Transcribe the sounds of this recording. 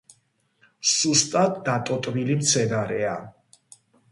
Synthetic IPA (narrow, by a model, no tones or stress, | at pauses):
sust̪ʼad̪d̪at̪ʼɔt̪ʼvilimt̪sʰɛnaɾɛa